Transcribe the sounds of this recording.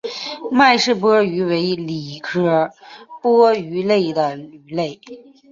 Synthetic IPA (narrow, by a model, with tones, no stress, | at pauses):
ma˥˧ɪʂɻ̩˥˩p̬ɤ˥y˧˥we˧˥ɪli˨˩kʰɤ˥pwɤ˥y˧˥le˥˩ɪd̪ə˩ly˨˩le˥˩ɪ